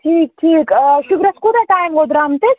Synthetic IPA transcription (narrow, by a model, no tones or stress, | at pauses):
ʈʰiːk̚ʈʰiːkʃukɾɐskuɾɐʈaːjmɡod̪ɾaːmt̪e